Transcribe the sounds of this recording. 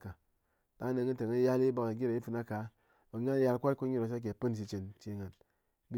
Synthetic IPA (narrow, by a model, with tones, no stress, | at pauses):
ka˨ | da˨˦ne˨ŋi˦te˨ŋe˦ja˦li˦bo˨ke˨ɡi˦ɾe˨i˦fɨ˦na˦ka˨˦ | o˨˦ŋa˦n˦ja˦lkʷa˦ko˦ɲi˦ɾo˨s̬a˦k̬ʲe˨pɨ˦n˨s̬i˨˦t͡ʃe˨nt͡ʃe˦ŋa˨n | bi˦